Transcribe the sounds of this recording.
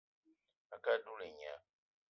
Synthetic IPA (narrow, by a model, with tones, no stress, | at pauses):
a˨ka˦du˦li˨ɲa̰˨